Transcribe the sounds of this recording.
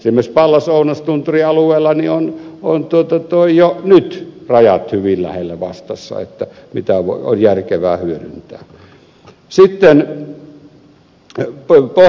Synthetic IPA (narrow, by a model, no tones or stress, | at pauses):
simːespɑlːɑsoˑunɑst̪unt̪uriɑlueːlːˑɑnionont̪uot̪ɑt̪oijjonyt̪rɑjɑt̪hyʋillæ̰helːæʋɑst̪ɑsːɑ̰ḛt̪ːæmit̪æʋo̰io̰njærkeʋæːhyøɾynt̪æː | sit̪ːen | po